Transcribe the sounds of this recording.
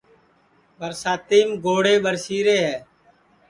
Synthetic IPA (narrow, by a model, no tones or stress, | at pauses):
ɓəɾsaːt̪iːmɡoːɽeːɓəɾsiːɾeːɦɛː